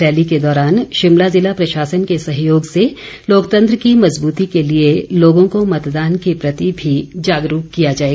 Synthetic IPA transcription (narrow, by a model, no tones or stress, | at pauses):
ɛːliked̪ɔːɾaːnʃɪmlazɪlapɾɐʃaːsənkesɐɦjoːɡse | loːkt̪ə̃nt̪ɾəkimɐzbuːt̪ikelieloːɡõkomɐt̪d̪aːnkepɾɐt̪ibʱid͡ʒaːɡɾuːkkːijad͡ʒaːeːɡ